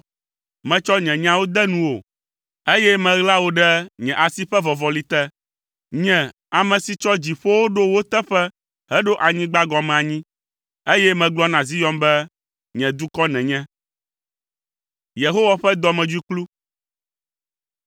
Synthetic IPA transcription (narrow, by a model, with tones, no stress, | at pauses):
mɛ̃˨t͡ʃɔ˦ɲɛ̃˨ɲã˦wo˦d̪ɛ˦nũ˦wo˨ | e˦jɛ˦mɛ̃˨ɣla˦wo˦ɖɛ˦ɲɛ̃˨ʔa˨si˦ɸɛ˦vɔ˨vɔ˨li˦t̪ɛ˦ | ɲɛ̃˨ | a˨mɛ̃˨si˨t͡ʃɔ˦d͡ʑi˨ɸo˦wo˦ɖo˦wo˦t̪ɛ˦ɸɛ˦ | ɦɛ˦ɖo˦ʔa˨ɲĩ˦ɡ͡ba˦ɡɔ˨mɛ̃˨a˨ɲĩ˦ | e˦jɛ˦mɛ̃˨ɡ͡blɔ˦nã˨zi˦jɔ˦mbɛ˦ | ɲɛ̃˨d̪u˦kɔ˦nɛ̃˨ɲɛ̃˦ | je˨ɦo˦wa˦ɸɛ˦d̪ɔ˦mɛ̃˨d͡ʒu˦i˦klu˦